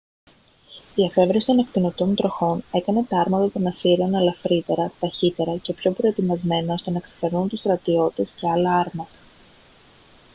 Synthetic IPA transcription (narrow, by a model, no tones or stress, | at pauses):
iɐfe̞vɾesi̥t̪o̞ne̞k̚p̪ino̞t̪o̞nt̪ɾo̞xo̞ne̞kɐne̞t̪ɐɐɾmɐt̪ɐt̪o̞nɐsiɾeonɐlɐfɾit̪e̞ɾɐt̪ɐçit̪e̞ɾɐce̞pço̞pɾo̞e̞t̪imɐzme̞nɐo̞st̪e̞nɐksɐ̥fe̞ɾnunt̪ust̪ɾɐt̪io̞t̪e̞sce̞ɐlɐɐɾmɐt̪ɐ